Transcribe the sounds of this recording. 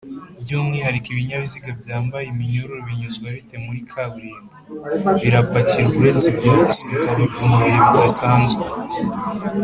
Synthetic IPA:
bjuːmŋihaɾikiβiɲaβiziɡabjaːmbajemiɲoɾoɾoβiɲuzɡwaβitemuɾikʰaɡɾiːmaβiɾapaciɾuβuɾe̞ːnzibjoisiɾikaɾivumuɾejemudasaːnzɡe

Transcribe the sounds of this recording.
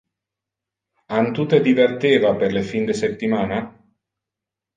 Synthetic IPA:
ant̪ut̪ed̪ivert̪evaperlefind̪esep̚t̪imana

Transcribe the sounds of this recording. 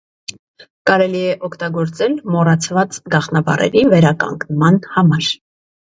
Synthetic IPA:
kɑɾɛliɛʔɔkʰt̪ɑɡɔɾt͡sɛlmɔrɑt͡sʰvɑt͡sɡɑχnɑbɑ̰rɛ̰ɾivɛɾɑkɑ̰ŋɡnmɑnhɑmɑɾ

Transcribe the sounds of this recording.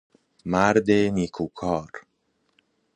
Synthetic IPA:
maɾd̪enikʰukʰɔɾ

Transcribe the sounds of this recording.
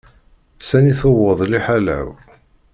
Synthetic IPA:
sæniθowəðˤliħalæ̰w

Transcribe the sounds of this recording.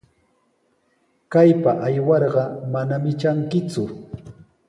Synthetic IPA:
kajpaʔajwɑɾɢɑmanamɪt͡ʃaŋkɪt͡sʊ

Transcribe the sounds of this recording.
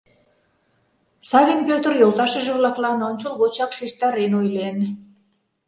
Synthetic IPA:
sɑβʲinpʲøt̪ərjolˠt̪ɑʃə̆ʒĕβlɑklɑnont͡ɕəlˠɣot͡ɕɑkʃeʃt̪ɑɾenojlen

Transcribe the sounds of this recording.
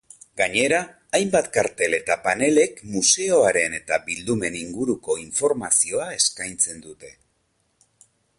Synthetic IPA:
ɡaɲe̞ɾaː | jmbat̪kaɾt̪e̞le̞t̪apane̞le̞kmuse̞o̞aɾe̞ne̞t̪abild̪ume̞niŋɡuɾuko̞iɱfo̞ɾmasio̞ae̞skajnt͡se̞nd̪ut̪e̞

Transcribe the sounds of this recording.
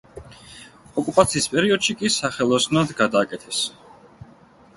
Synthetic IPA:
ɔkʼupʼat̪sʰiːspʼɛɾiɔd̪̥ʃikʼisaχɛlˠɔsnad̪ɡad̪aːkʼɛt̪ʰɛs

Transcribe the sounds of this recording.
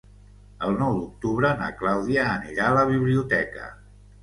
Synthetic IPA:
əlˠnɔwd̪uk̚t̪uβɾəna̰klawðiəːniɾaləβ̞iβliut̪ɛkə̰

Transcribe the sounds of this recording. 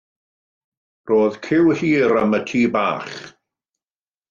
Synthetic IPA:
roːðkʰɪwhiːɾəmətʰiːbaːχ

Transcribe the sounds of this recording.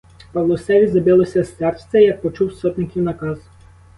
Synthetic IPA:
pɐwlˠɔsɛʋʲizɐbɪlˠɔsʲɐst̪ɛrsʲt̪ʲɛjɐk̚pɔt͡ʃuwsɔt̪ʲnɪkʲiwnɐkɑz

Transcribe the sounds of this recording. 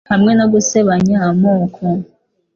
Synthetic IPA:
hamŋenaɡuseβaɲamoːkʰo

